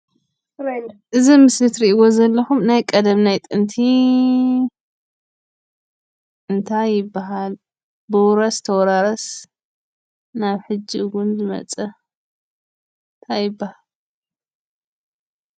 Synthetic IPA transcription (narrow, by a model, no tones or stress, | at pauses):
ʔɨzimɨslɨt̪ɾiʔwo̞zɐlːɐxumnajkʼɐd̪ɐmnajt̪ʼɨnt̪ʰi | ɨnt̪ʰajːɪbːaɦal | bɨwɾɐst̪ʰɐwɾaɾɐs | naβħɨd͡ʒːiɡunzɨmɐ̰t͡sʼɐ | ɨnt̪ʰajːɪbːahal